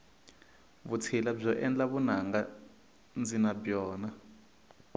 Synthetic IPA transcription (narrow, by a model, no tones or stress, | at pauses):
βut͡sʰilab͡ʐɔʔɛnd͡ɮaβunaŋɡa | nd͡zinabjɔːna